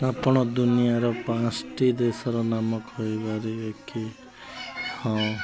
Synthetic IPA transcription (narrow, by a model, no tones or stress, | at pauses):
apɔɽ̃ɔd̪unijaɾɔpãsʈid̪esɔɾɔnamʌkɦoebaɾiekʰi | hɔ̃